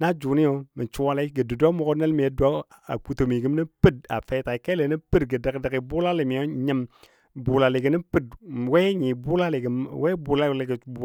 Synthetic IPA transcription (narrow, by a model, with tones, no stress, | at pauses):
na˦d͡ʒu˨ni˦jo˨mi˨t͡ʃu˦wa˦la˨˦ɡə˨du˨dʷa˦mo˨ko˦ne˦lmi˨je˦dʷa˦a̰˨ku˨to˨mi˨ɡi˦m˦ni˦pɨ˦˨d̚a̰˨fe˦ta˨ke˦le˨ni˦pɨ˦dɡə˨da˨kda˨ki˨bu˦la˦li˨mi˨jo˦ɲə˦m | bu˨la˨le˨ɡə˨ni˦pɨ˦d̚we˦ɲi˨bu˦la˦le˨ɡwe˦bu˨la˦˨e˨ɡə˨˦b